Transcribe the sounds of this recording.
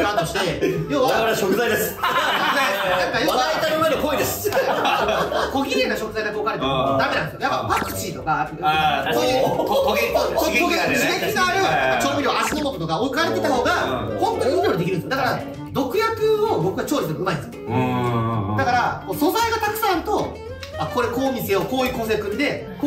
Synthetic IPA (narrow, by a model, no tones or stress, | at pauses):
ãnt̪oɕi̥t̪e̞jo̞ːβaaaɾeɕokɯzaid̪esɨ̥kokɯzaenãŋkajoːβat̪aimad̪ekoid̪esɨ̥ | ko̞ɡʲiɡe̞nːaɕo̞kɯ̟zajd̪akokaɾet̪ad̪ame̞nãnd̪esjojapːapakɯ̟̥t͡ɕit̪o̞kapso̞ːjɯoooɡesiɡeinaaɾeakːat͡ɕoːbʲiɾʲoasinomot̪ot̪o̞kaokaɾet̪ːet̪aɦo̞ːɡahõ̞nt̪oɲĩɲd̪ʲjoːɲid̪ekiɾɯ̃d̪esjd̪akaɾa | d̪o̞kɯ̟jakɯ̟o̞bo̞kɯ̟ɡat͡ɕo̞ːɾit̪eaɯ̟maid̪s | d̪akaɾakoːso̞zaiɡat̪akɯ̟sãnt̪o̞ | ako̞ɾeko̞ːmʲise̞o̞ko̞ːjɯːkõ̞ɰs̬eɯkɯ̟ɲid̪e̞